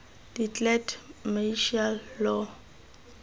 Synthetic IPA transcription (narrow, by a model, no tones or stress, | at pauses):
d̥itʼlɛtʰmeʃalːɔ